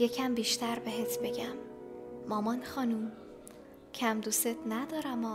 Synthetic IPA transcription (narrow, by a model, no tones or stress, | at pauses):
jecʰæmbiːʃt̪ʰæɾbe̞ɦet̪ʰbe̞ɟæmː | ɒːmɒnxɒːnum | cʰæmd̪uset̪ʰnæd̪ɒːɾæmɒː